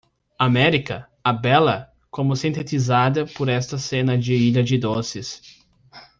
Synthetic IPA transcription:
amɛɾikɐ | ɐbɛlɐ | kõmʊsĩnt̪et̪izad̪ɐpoɾɛst̪ɐsẽnɐd͡ʒɪiʎɐd͡ʒɪd̪osɪs

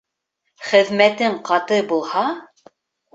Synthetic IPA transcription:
χɘ̆ðmæt̪ɘɴqɑt̪ɤbulˠhɑ

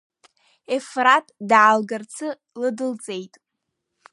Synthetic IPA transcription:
efratʼdʕalɡart͡sʰɨ | lɨdɨlt͡sʼe̞jtʼ

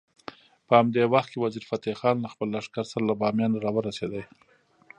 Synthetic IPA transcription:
pəhamd̪ewaxt̪̚kewaziɾfat̪ixɑnlaxpəlːaʂkaɾsaɾalabɑmjɑnaɾɑwəɾased̪aj

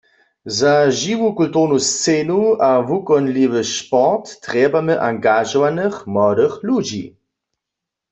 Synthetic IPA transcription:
zaʒiwukult̪uʁnust͡seːnuavukɔnliʋəʃpɔʁtːʁɛbamɛʔaŋɡaʒɔvanɛxmɔdəxlud͡ʒi

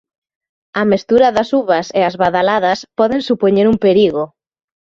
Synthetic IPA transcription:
ɐmest̪uɾɐðɐsuβɐseazβaðalaðɐspɔðeŋsupoɲeɾumpeɾiɣo

